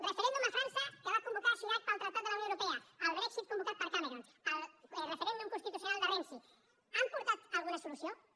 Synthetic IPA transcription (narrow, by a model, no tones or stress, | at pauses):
refeɾend̪umafɾansakβakombokaɾʃuɣat̪̚paɾalt̪ɾat̪aðlaunõeɾopeaalβɾɛksit̪̚kõmbokat̪̚paɾkameɾon | alrefeɾẽnd̪ũŋkõst̪it̪uθjonald̪erensi | ampoɾt̪at̪alɣunasolusjo